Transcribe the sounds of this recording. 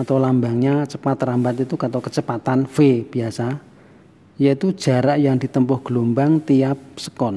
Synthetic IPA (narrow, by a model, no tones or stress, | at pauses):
at̪awlambaŋɲat͡ʃəpat̪rambat̪it̪ukat̪okət͡ʃəpat̪anfeb̥iasa | ijait̪u̥ʒ̥a̤ɾaʔjaŋd̪̥i̤t̪əmpɔhɡ̥lumbaŋt̪ijap̚sə̥kɔn